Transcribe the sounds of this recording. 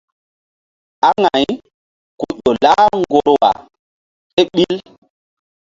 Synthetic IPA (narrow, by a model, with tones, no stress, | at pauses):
a˦ŋa˨j | ku˨ʄo˨la˦ŋɡo˨ɾo˦˨wa̰˨ | e˦ɓi˦l